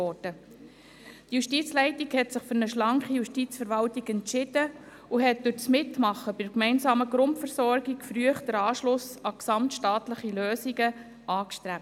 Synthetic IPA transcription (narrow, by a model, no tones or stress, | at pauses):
ɔd̥ə | d̥juʃtiːt͡slɛɪtikhɛtsɪχfʏɾnəʃlɑŋχijuʃtiːt͡sfəɾʋɑltiɡɛntt͡ʃɪd̥ə | uɦɛt̚dʉɾt͡smɪtmɑχːəbɪdkmɛɪnsɑːməɡɾʊntfəɾsɔɾɡikfɾyəχd̥əɾɑːʃlʊsɑksɑmtʃtɑːtləχiløːsiɡə | ʔɑːkʃtɾæp̚t